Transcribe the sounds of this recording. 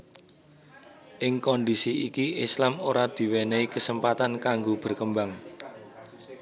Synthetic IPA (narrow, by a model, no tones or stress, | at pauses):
ʔɪŋkɔnd̪isiikiɪslamoɾad̪̥i̤weneikəsəmpat̪ankaŋɡob̥ə̤rkəmbaŋ